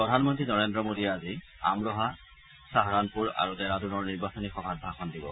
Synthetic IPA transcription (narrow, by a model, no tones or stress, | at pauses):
pɹɔdʱanmɔntɹinɔɹendɹɔmodiazi | amɹɔɦa | saɦɹanpuɹa̰ɹudɛɹadunɔɹniɹbasɔnixɔbʱat̚bʱaxʰɔndibɔ̰